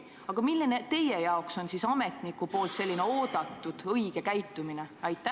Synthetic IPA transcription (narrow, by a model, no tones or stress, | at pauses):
ɑɡ̥ɑmilːinet̪e̞jejɑokso̞nsisɑme̞t̪nikupo̞ːlt̪se̞lʲːine̞o̞ːd̪̥ɑt̪ːˑud̪̥ɤjɡ̥e̞kæjt̪ːˑumine̞ɑjt̪ˑːæ